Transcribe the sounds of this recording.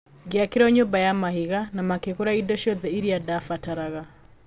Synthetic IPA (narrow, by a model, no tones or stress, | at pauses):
ɡeakiɾɔɲombajamaɦiɣanamakekuɾaidɔʃiɔðɛiɾiadafataɾaɣa